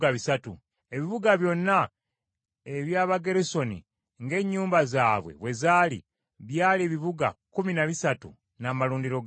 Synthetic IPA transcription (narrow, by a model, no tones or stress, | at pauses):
aβisatṵ | e̞βiβuɡaβjo̞nːa | eβjaːβaɡe̞ɾiso̞nḭ | ŋɡe̞ɲːuːmbazaːβwḛβwe̞zaːlḭ | βjaːleβiβuɡa̰kuminaβisatṵ | namaluːndiɾo̞ɡ